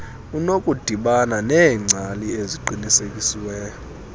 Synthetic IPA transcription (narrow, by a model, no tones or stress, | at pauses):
unokʼud̥ʱiɓananɛːŋ͡ǀʱalieziǃinisekʼisiwɛɔ